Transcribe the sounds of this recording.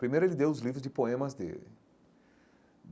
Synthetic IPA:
pɾimejɾʊelɪd̪ewʊzlivɾʊzd͡ʒɪpoẽmɐzd̪ḛlɪ̰

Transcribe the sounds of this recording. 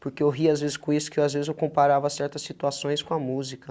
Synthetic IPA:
poɾkeewɦiazvezɪskõisʊ̥kɪewazvezɪzewkõmpaɾavɐsɛɾt̪ɐsːit̪uasõj̃skõɐmuzikɐ

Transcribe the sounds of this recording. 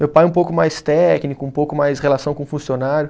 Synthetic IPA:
mewpajũpowkʊmajst̪ɛknikʊũpowkʊmajshelasɐ̃w̃kõfũsionaɾjʊ

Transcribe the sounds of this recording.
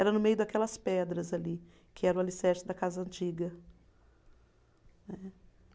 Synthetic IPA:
ɛɾɐnʊmejʊd̪ɐkɛlɐspɛd̪ɾɐzali | kʰɪɛɾɐʊalisɛɾsɪd̪ɐkazɐɐ̃nt͡ʃiɡɐ | nɛ

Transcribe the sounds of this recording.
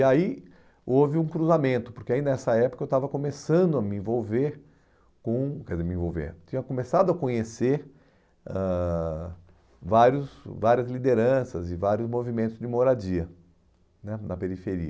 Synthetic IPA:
ai | ovɪũkɾuzamẽnt̪ʊpʊɾkeainɛsɐɛpʊkɐewt̪avɐkõmesɐ̃nd̪ʊɐmɪẽvowveɾ | kõkɛd͡ʒzeɾmɪẽvowvḛɾt͡ʃĩɲɐkõmesad̪ʊɐkõɲeseɾ | ɛ̃ | vaɾjʊsvaɾjɐzlid̪eɾɐ̃sɐ̰zɪvaɾjʊzmovimẽnt̪ʊzd͡ʒɪmoɾad͡ʒiɐ | nɛnɐpeɾifeɾḭɐ

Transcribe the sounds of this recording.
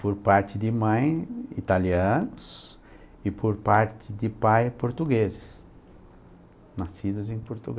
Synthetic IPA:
poɾpaɾt̪ɪd̪ɪmɐ̃j̃ḭt̪aliɐ̃nʊs | ɪpʰoɾpaɾt̪ʰɪd̪ɪpajpoɾt̪uɡezɪs | nasid̪ʊzẽj̃poɾt̪uɡ

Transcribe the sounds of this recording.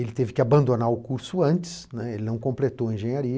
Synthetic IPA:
elɪt̪evɪkɪabɐ̃nd̪onaɾʊkuɾsʊɐ̃nt͡ʃɪ̥snɛelɪnɐ̃w̃kõplet̪owɐẽʒẽɲaɾi

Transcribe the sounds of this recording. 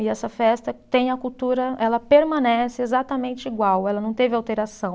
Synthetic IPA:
ɪɛsɐfɛst̪ɐt̪ẽj̃ɐkuwt̪uɾɐɛlɐpeɾmɐ̃nɛsɪezat̪ɐmẽnt͡ʃɪiɡwawɛlɐnɐ̃w̃t̪evɪawt̪eɾasɐ̃w̃

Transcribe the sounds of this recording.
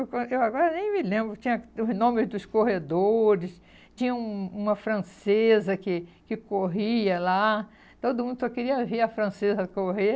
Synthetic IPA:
kewaɡɔɾɐnẽj̃mɪlẽmbɾʊt͡ʃĩɲɐʊznõmɪzd̪ʊskoɦed̪oɾɪs | t͡ʃĩɲɐ̃ũũmɐfɾɐ̃sezɐkɪkɪkoɦiɐla | t̪od̪ʊmũd̪ʊsɔkɪɾiɐviɾɐfɾɐ̃sezɐkoɦe

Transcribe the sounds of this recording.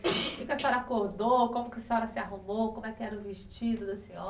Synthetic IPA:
kikɐsĩɔɾɐakoɾd̪okõmʊkɪɐsĩɔɾɐsɪaɦumokõmʊɛkɪɛɾɐʊviʃt͡ʃid̪ʊd̪ɐsĩɔ

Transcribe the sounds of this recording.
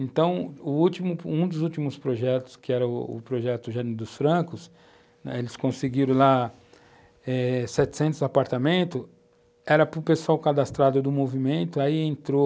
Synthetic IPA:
ẽnt̪ɐ̃w̃ʊut͡ʃimʊũd̪ʊzut͡ʃimʊspɾoʒɛt̪ʊ̥skɪɛɾɐʊ̰ʊ̰pɾoʒɛt̪ʊʒãnid̪ʊsfɾɐ̃kʊs | elɪskõsɪɡiɾɐ̃w̃la | ɛsɛt͡ʃ̪ɪ̥sẽnt̪ʊzapaɾt̪amẽnt̪ʊ | ɛɾɐpʊpesuawkad̪ast̪ɾad̪ʊd̪ʊmovimẽnt̪ʊaiẽnt̪ɾo

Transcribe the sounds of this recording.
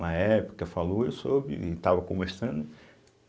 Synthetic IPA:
ɐɛpʊ̥kɐfalowesobɾɪ̰ɪt̪avɐkõmeɾsɐ̃nd̪ʊ

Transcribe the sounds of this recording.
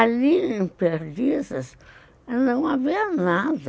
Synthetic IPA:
aliẽpeɾdizɐs | nɐ̃w̃aviɐnad̪ɐ

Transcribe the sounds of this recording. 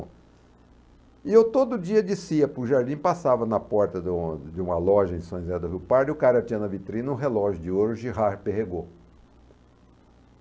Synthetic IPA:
ɪewt̪od̪ʊd͡ʒiɐd͡ʒɪsiɐpɾʊʒaɾd͡ʒ̪ĩpasavɐnɐpɔɾt̪ɐd͡ʒɪũmɐlɔʒɐẽj̃sõj̃zeɐd̪ʊɦiwpaɾd̪ɪʊkaɾɐt͡ʃĩɐnɐvit̪ɾĩnɐũɦelɔʒʊd͡ʒɪoɾʊʒiɦapeɦeɡo

